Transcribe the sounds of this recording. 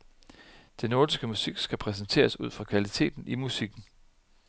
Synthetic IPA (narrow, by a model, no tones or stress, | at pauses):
d̥enoːd̥isɡ̥əmusiɡ̥sɡ̥æpʰʁɛs̬ən̩t͡sʰe̝̰ːɐsuð̞̰ˠfʁɑ̈kʰʋælit͡sʰe̝̰ːd̥n̩ʔimusiɡ̥n̩